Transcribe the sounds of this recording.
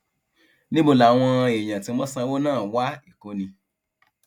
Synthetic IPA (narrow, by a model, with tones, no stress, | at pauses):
nĩ˦bo˦˨la˨w̃ɔ̃˧e˨j̃ã˨tĩ˧mɔ̃˦sã˧˦wo˦nãː˦˨wa˦i˦˨ko˦nĩ˧